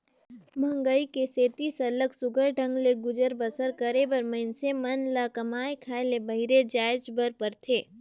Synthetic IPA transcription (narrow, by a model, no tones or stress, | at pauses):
mə̃ŋɡəikeseːt̪isɐləɡsʊɡʱəɾɖʱə̃ŋɡleɡʊd͡ʒəɾbəsəɾkəɾebəɾmɐɪnsemɐnlakɐmaːekʰaːelebɐɦɪɾed͡ʒaːɪd͡ʒbəɾpəɾt̪ʰeː